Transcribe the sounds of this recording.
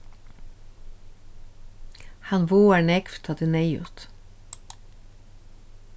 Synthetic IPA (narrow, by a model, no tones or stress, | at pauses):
hɑnʋoːæɳɛkft̪ʰɑːd̪ineɪʉ̰ːt̪